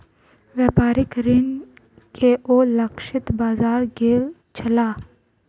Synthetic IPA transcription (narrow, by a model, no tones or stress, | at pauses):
ʋaːpaːɾɪkɾɪn | kʰeʔoːlɐkʃɪt̪baːzaːɾɡeːl | t͡ʃʰɐlaː